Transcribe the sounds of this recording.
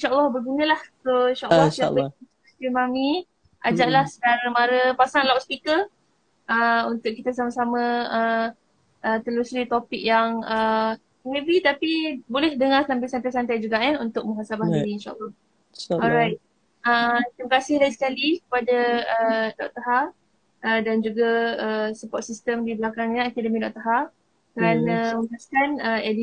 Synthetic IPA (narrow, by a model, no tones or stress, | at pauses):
inʃaʔəlːɑhbəɡunə̃lahsoinʃaʔəːɑia̰ | stimami | a̰d͡ʒaʔlahsədaɾəmaɾəpasaŋlawʔspikə | əunt̪ʊk̚ːit̪asamasamə̃ə | ʔət̪əlusɾit̪opɪk̚jaŋə | mẽvit̪apibolɛhdəŋaslambisant̪ajsant̪ajd͡ʒuɡaʔɲɛunt̪ʊk̚mə̃ŋɦasabahidiinʃa̰ʔa̰lːa | ɔlɾajt̪̚ | ət̪ɾiməkasɪhlaisəkalikə̥padaədɔʔt̪aɦar | ʔədand͡ʒuɡaəsəpɔt̪̚sist̪əmdiblakaŋɲəakɛdəmidɔʔ̚t̪aɦa | kaɾanəməaskanəɛdi